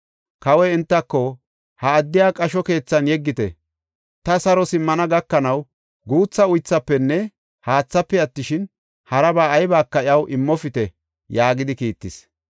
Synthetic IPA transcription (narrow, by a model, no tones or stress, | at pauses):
kɐwɛɪnt̪ːɐkːɔ | hɐːd̪ːɪjaːkʼɐʃɔke̞ːt͡sːɐnjɛɡːɪt̪ɛ̰ | t̪ɐsɐɾɔsɪmːɐnɐɡɐkːɐnɐw | ɡuːt͡sːɐʊjt͡sːɐpːɛnːɛ | haːt͡sːɐpːɛɐt̪ːɪʃɪn | hɐɾɐbaːjbaːkːɐɪɐwʔɪmːɔfɪt̪ɛ | jaːɡɪd̪ɪkiːt̪ːɪs